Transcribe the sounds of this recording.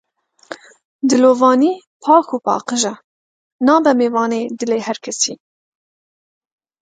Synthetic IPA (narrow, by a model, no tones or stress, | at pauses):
d̪ɨloːvɑːniː | pʰɑːxuːpɑ̰ːqɨʒɛ | nɑːbɛmeːvɑːneːd̪ɨleːhɛɾkʰɛsiː